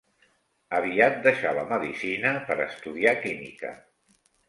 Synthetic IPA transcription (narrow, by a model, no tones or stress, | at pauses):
əβiat̪̚d̪əʃaləməðisinəpəɾəst̪uðiakimḭkə̰